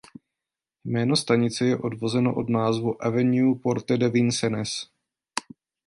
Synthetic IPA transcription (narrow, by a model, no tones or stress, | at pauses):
jmɛːno̞st̪aɲɪt͡sɛjɛʔo̞dvo̞zɛno̞ʔo̞dnaːzvuʔɛvɛnupo̞ɾt̪ɛdɛvinsɛnɛs